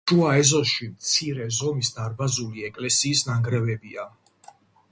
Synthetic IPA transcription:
ʒuaɛzɔʃimt̪sʰiɾɛzɔmisd̪aɾbazuliɛkʼlɛsiːsnaŋɡɾɛvɛbia

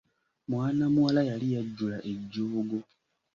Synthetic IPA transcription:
mwaːnamuwalajalijaɟːulaʔe̞ɟːuːuɡo

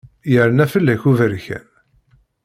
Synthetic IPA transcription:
jəɾənæfəlːæçuvəɾçæ̰n

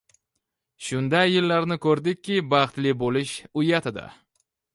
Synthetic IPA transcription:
ʃʊnd̪ajːɪlːaɾnɪkʰɵɾd̪ɪkʲʰːɪbɑχt̪lɪbolɪʃʊjat̪ʰɪd̪a̰

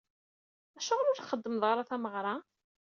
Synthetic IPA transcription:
æʃæʁlʊɾθχəd̪ːəməðˤʁəɾˤaθæməʁɾˤɑ

